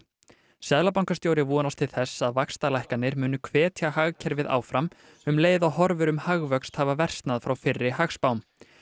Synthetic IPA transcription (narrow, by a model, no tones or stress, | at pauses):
sɛðlapawŋkast̪jowɾɪvuːnast̪ʰɪlθɛsːaðvakst̪alajhkanːɪɾmʏːnʏkʰvɛːt̪ʰjahaɣcʰɛɾvɪða̰ːwfɾam | ʏmleːjðawhɔɾvʏɾʏmhaɣvœkst̪haːvavɛr̥st̪naðfɾawfɪrːɪhaxspawm